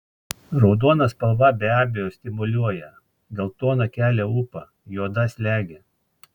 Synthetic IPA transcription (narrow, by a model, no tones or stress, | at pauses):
ɾɒʊd̪uɔnɐspɐlˠʋɐbʲɛæːbʲejoːsʲt̪ʲɪmʊlʲuɔjɛ | ɡɐlˠt̪oːnɐkʲæːlʲɛʊpɐ | joːd̪ɐsʲlʲæːɡʲe